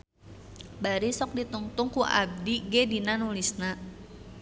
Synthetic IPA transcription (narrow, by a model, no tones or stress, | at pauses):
baɾisɔk̚dit̪uŋt̪ʊŋkuʔa̰b̚diɡedinanulisna